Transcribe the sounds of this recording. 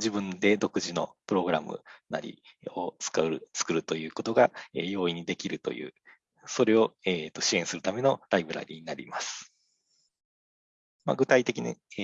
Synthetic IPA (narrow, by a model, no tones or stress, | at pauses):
d͡ʑibɯ̟̃nd̪e̞d̪o̞kɯ̟ʑino̞̰pɯ̟ɾo̞ɡɯ̟ɾa̰mɯ̰na̰ɾʲḭ | o̞t͡sɨ̥kaɯɾɯt͡sɨ̥kɯ̟ɾɯ̟t̪o̞jɯ̟ːko̞t̪o̞ɡaejo̞ːiɲ̟id̪e̞kʲiɾɯ̟t̪o̞̰jɯ̟̰ː | so̞ɾe̞o̞et̪ːo̞ɕiẽ̞ɰ̃sɨɾɯ̟t̪ame̞no̞ɾaibɯ̟ɾa̰ɾʲiɲ̟inaɾʲḭmasɨ̥ | ma̰ɡɯ̟t̪ait̪e̞kʲina̰